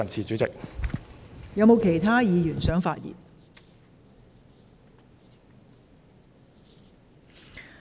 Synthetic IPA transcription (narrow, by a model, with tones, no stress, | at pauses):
ɐ˨nt͡sʰiː˨t͡sy˨˥t͡sɪ˨k̚ | jɐ˨˧wmo˨˧wkʰe˨˩jt̪ʰaː˥jiː˨˧jyː˨˩nsœː˨˥ŋfaː˧t̚jḭː˨˩n